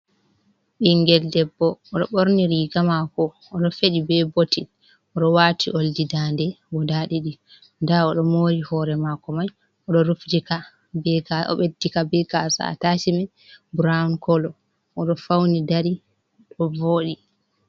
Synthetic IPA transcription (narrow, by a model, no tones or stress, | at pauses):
ɓiŋɡɛldɛbːɔːɗɔɓoɾniɾiɡamakɔː | ɗɔfeɗibɛboti | ɔɗɔwaːtʰiʔoldidandɛ | ɡɔdaɗiɗi | ndaɔɗɔmoːɾihɔɾɛmakɔmaj | ɔɗɔɾufdika | bɛaɔ̰ɓedːikabɛɡasa̰a̰tasimɛ | bɾaunkɔlɔ | ɔɗɔfawnidaɾi | ɗɔvoːɗi